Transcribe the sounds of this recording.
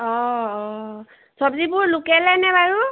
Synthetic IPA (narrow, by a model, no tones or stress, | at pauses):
ɔɔ | sɔbzibʊɹlukɛlɛnɛbaɹu